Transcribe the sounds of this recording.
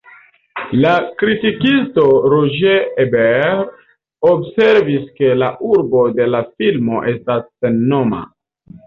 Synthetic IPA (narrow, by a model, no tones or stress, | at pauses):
lakɾitikisto̞ɾoʒeebeɾ | obse̞ɾviske̞laʔuɾbo̞de̞lafilmo̞ʔe̞stasːe̞nːo̞ma̰